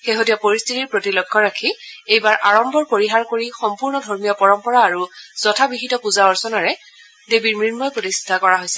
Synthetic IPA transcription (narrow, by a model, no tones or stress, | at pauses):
xeɦotijɔpoɹistʰitiɹpɹotilɔɡʱːɔɹakʰiejbaɹʔaɹɔmbɔɹpoɹiɦaɹkoɹixɔmpuɹnɔdʱɔɹmijɔpɔɹɔmpɔɹaːɹuz̥ɔtʰabiɦitɔpuzaɔɹsɔnaɹɛ | debiɹmɹiɹmɔjpɹotistʰakɔɹaɦojsɛ